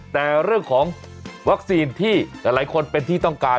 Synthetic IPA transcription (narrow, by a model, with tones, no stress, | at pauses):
t̪ɛː˨˩ɾɯ˥˩əŋkʰɔː˩˦ŋ | wa˦˥k̚siː˧nt̪ʰiː˥˩laː˨˩˦jlaː˨˩˦jkʰo˧npe˧nt̪ʰiː˥˩t̪ɔ˥˩ŋkaː˧